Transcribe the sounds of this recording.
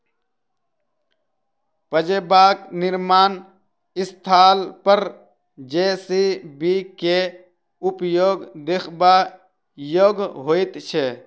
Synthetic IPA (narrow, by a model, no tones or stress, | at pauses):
pəd͡ʒeːbaːknɪɾmaːn | ɪst̪ʰaːlpəɾ | d͡ʒeːsiːbiːke | ʊpjoːɡd̪ekʰbaː | joːɡɦoːɪt̪t͡ʃʰe